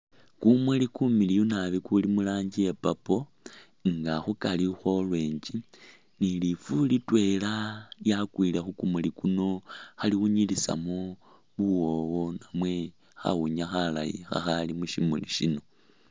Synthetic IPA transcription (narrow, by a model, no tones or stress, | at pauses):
kumulikumilijunaβikulimulaːɲɟijepapo̞ | ŋɡaxukalixo̞lwe̞ːɲd͡ʒi | nilifulitwe̞lajakwilexukumulikuno̞xaliuɲilisa̰mo | βuwo̞wo̞namwe̞ | xa̰wuɲaxala̰jḭxa̰xalimuʃimuliʃino̞